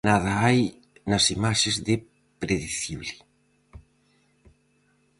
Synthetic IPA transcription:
naðɐaj | nɐsimaʃezðe | pɾeðeθiβli

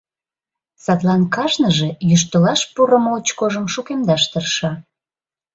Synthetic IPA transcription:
sɑt̪lɑnkɑʒnəʒe̽jyʃ̬t̪əlɑʃpuɾəmoot͡ɕkoʒəmʃukemd̪ɑʃt̪ərʃɑ

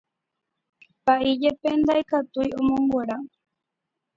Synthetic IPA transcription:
paʔid͡ʒepend̪ajkat̪ujomõmbweɾa

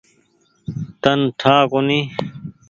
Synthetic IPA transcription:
t̪ɐnʈʰaːkoni

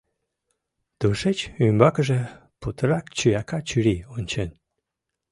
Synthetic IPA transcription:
t̪uʃet͡ɕymbɑkəʒĕ | put̪əɾɑkt͡ɕyjɑkɑt͡ɕyɾionʲt͡ɕen

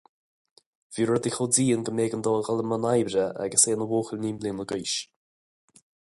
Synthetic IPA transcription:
viːɹɔd̪ixodiːənɡəmeːɡənd̪ɔːɣaləmənajbɾəʔa̰ɡəseːnəwoːxəlniːmliːnəɡujʃ

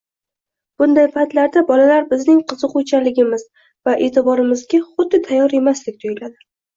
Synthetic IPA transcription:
b̥ʊnd̪ajpʰat̪laɾd̪abɒlalaɾbɪznɪŋqʰɨzɨqʊt͡ʃʰalɪɡʲɪmɪz | vaʔe̞t̪ʰɪbɒɾɪmɪzɡʲaχʊd̪ːɪt̪ʰajːɒɾe̞maslɪk̚ʲt̪ʰʊjɪlad̪ɪ

